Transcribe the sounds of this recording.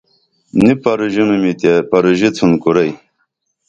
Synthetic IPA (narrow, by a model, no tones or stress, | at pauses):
nipɐɾuʑinumit̪epɐɾuʑit͡sʰunkuɾɐj